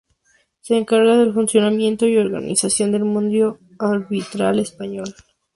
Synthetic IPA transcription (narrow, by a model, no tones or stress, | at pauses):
se̞ːŋkaɾɣaðe̞lfunsjo̞namje̞nt̪o̞io̞ɾɣa̰nʔḭsasjo̞nd̪e̞lmũnd̪jo̞ | aɾβit̪ɾa̰le̞spaɲo̞l